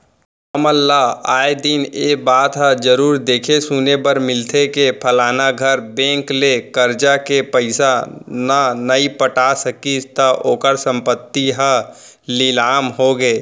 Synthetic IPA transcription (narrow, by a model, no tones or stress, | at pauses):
əməlːaaːed̪ineːbaːt̪ɦəd͡ʒəɾuːɾd̪eːkʰesunebəɾmɪlt̪ʰekepʰəlaːnaɡʱəɾbẽːŋklekəɾd͡ʒakepəɪsananəipəʈasəkit̪əʔoːkəɾsə̃mpət̪ːiɦə | lɪlaːmɦoɡeː